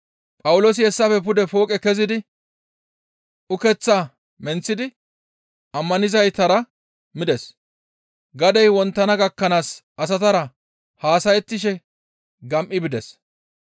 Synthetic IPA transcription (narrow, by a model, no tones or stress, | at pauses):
pʼɐwʊlo̞ːs̬ɪɛsːɐfɛpʊd̪ɛfo̞ːkʼɛkɛzɪd̪ɪ | ʊkɛt͡sːaː | mɛnt͡sːɪd̪ɪ | ɐmːɐnɪzɐjt̪ɐɾɐ | mɪd̪ɛs | ɡɐd̪ɛjwɔnt̪ːɐnɐɡɐkːɐnaːsʔɐsɐt̪ɐɾɐ | haːsɐjɛt̪ːɪʃ̬ɛ | ɡɐmʔɪbɪd̪ɛs